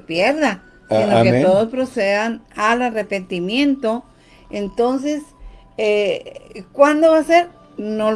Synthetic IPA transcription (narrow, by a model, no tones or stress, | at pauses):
pjeɾða | sinoket̪o̞ðospɾo̞seðanalarepe̞nt̪imjẽ̞nt̪o̞ | ent̪o̞ns̬e̞s | e | kwand̪o̞βase̞ɾ | nol